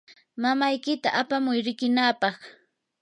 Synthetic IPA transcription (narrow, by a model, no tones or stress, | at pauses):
mamajkɪt̪aʔapamʊjɾɪkɪnaːpɑχ